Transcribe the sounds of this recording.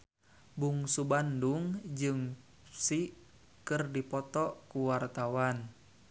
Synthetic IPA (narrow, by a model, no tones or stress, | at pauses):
buŋsubanduŋd͡ʒɨŋ | si | kɨrdipɔt̪ɔkuwart̪awan